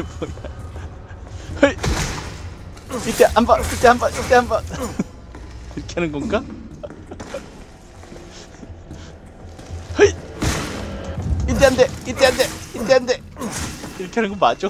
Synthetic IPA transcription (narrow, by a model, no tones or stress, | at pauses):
boja | hɯi | it̪͈eʔambait̪͈ːeɦambait̪ːeɦamba | iɾʌkʰeɦanɯnɡoŋɡa | hɯi | it̪ːeɦand̪eit̪͈ːeand̪eit̪͈ːeanɯnd̪e | iɾʌkʰeɦanɯnɡomat̚t͡ɕ͈o